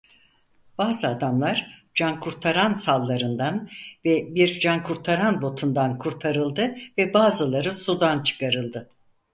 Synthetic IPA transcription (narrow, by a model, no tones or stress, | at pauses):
b̥aːzɯad̪amlˠaɾ̥d͡ʒankʰuɾt̪ʰaɾansalˠːaɾɯnd̪anvɛbiɾd͡ʒankʰuɾt̪ʰaɾanbo̞t̪ʰund̪ankʰuɾt̪ʰaɾɯlˠd̪ɯvɛbaːzɯlˠaɾɯsud̪ant͡ʃʰɯ̥kʰaɾɯlˠd̪ɯ